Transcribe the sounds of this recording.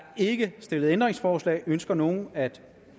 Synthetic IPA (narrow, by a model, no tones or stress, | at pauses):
e̝ɡ̥əsd̥e̝ləð̞̩ˠend̥ʁeŋsfɒːslɛ̰ːønsɡ̥ɐno̝ːn̩æd̥